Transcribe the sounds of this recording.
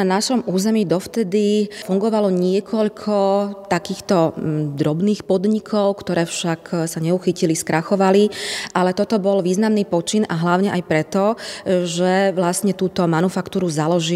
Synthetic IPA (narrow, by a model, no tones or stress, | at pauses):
anaʃɔmuːzɛmiːd̪ɔft̪ɛd̪ifuŋɡɔʋalɔɲɪɛkʰɔʎkʰɔt̪akiːxt̪ɔd̪ɾɔbniːxpɔd̪ɲikʰɔʊkt̪ɔɾɛːfʃaksaɲɛuxiciliskɾʔaxɔʋaliʔalɛt̪ɔt̪ɔbɔlʋiːznamniːpɔt͡ʃinaɦlaʊɲɛʔajpɾɛt̪ɔʒɛʋlastɲɛt̪uːt̪ɔmanufakt̪uːɾuzalɔʒi